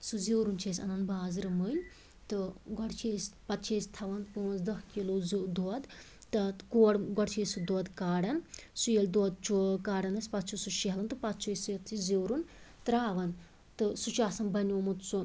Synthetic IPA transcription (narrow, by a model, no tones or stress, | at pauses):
suziwɾunt͡ʃʰeːsʲɐ̰nɐnbaːzɾɨmɨj | t̪ɨɡɔɽt͡ʃʰeːsʲpɐt̪t͡ʃʰeːsʲt̪ʰɐʋɐnpuːnzd̪ɐhkilozd̪oːd̪ | t̪ɐkoːɽɡɔɽt͡ʃʰeːsud̪oːd̪kaːɽɐnsujelʲd̪oːd̪̚t͡ʃʰukaːɽɐnɐsʲpɐt̪̚t͡ʃʰusuʃiɦɐlɐnt̪ɨpɐt̪t͡ʃʰiːsiɐt̪ʰiziwɾunt̪ɾaːʋɐn | t̪ɨsut͡ʃaːsɐnbɐnʲoːmut̪su